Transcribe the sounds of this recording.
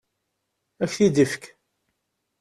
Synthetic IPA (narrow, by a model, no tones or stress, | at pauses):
æçθid̪əfk